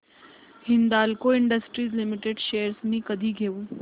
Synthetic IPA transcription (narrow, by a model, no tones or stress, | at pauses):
hɪnd̪aːlkoɪɳɖəsʈɾiːzlɪmɪʈeɖʃejəɾsmĩkəd̪ʱiɡʱeːũ